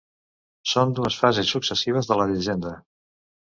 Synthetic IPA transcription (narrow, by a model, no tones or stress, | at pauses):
sond̪uəsfazesːuksəsiβ̞əzðələðiʒend̪ə